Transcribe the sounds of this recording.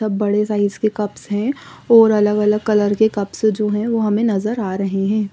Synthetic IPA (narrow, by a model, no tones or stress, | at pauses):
ɐbːɐɽesaːɪskekɐpsɦɛ̃ːɔːɾɐləɡɐləɡ̚kɐləɾkekɐpsd͡ʒoːɦɛ̃ʋoɦɐmẽnɐzəɾaːɾɐɦeɦɛ̃ː